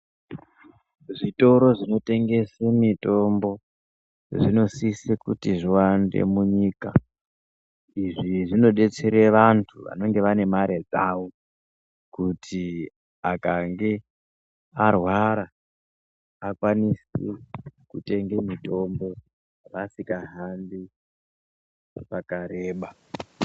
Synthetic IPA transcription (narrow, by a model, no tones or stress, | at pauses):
ʐito̞ɾo̞ʐino̞te̞ŋɡe̞semito̞mbo̞ | ʐino̞sisekutiʐiwandḛmuɲiːka | iʐiʐino̞ɗe̞t͡seɾeʋantʰuʋa̰no̞ŋɡe̞ʋane̞maɾed͡zaːwo̞ | kutʰi | akaŋɡe̞ | arwaɾa | kwanisikute̞ŋɡemito̞mbo̞ | ʋasikaɦanbi | pakaɾe̞ːɓa